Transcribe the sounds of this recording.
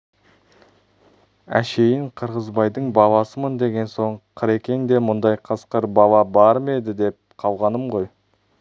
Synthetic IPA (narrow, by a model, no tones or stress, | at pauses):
æ̰ʃe̞jɪɴqʰəɾʁəzbɑjd̪əɴbɑlˠɑsəmənd̪e̞ɡʲe̞nso̞ɴqʰəɾe̞kʲe̞ŋd̪e̞mʊnd̪ɑjqʰəsqəɾbɑlˠɑbɑɾme̞d̪ɪd̪e̞p̚ | qʰɑlˠʁɑnəmʁo̞j